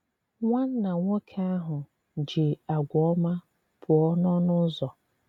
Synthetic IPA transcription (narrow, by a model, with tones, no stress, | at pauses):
ŋʷa˦n̩˦na˨ŋʷo˦kʰa˦a˦ɦʊ˨ | d͡ʒɪ˨a˨ɡʷɔ˦ma˦ | pʰʊ˨ɔ˦nɔ˦nʊ˦zɔ˨